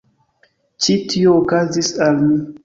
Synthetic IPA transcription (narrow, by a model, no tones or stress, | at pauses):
t͡ʃitʰioːkazisalmi